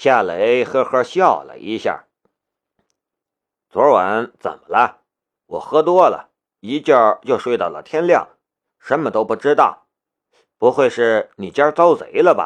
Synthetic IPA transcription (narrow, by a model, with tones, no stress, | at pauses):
ɕja˥˩le˧˥ɪxɤ˥˧xɤ˥˧ɕjɑ˥˧˩ʊlə̰˨˩ʔi˧˥ɕja̰˥˩ | t͡swɔ˧˥wa˧˥nt͡sə̰˨˩nmə˦lə˦ | wɔ˨˩xɤ˥t̪wɔ˥lə̰˨ | i˧˥t͡ɕjɑ˥˧˩t͡ɕjo˥˧ʊʂwe˥˧ɪt̪ɑ˥˩ʊlə̰˩t̪ʰjɛ˥nljɑ˥˩ŋ | ʂə˧˥nmə˨t̪o˥ʊpu˥˩ʈ͡ʂɻ̩˥t̪ɑ˥˩ʊ | pu˧˥xwe˥˧ɪʂɻ̩˥˩ni˨˩t͡ɕja˥t͡sɑ˥ʊt͡sḛ˧˥ɪlə˧bɐ̰˨˩